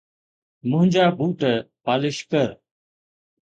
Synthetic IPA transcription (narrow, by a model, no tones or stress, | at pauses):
mʊ̃ɦɪ̃ɲd͡ʒaːbʱuːʈəpaːlɪʃkəɾ